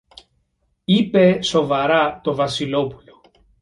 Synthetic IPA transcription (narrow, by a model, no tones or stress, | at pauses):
ipe̞so̞vɐɾɐt̪o̞vɐsilo̞pulo̞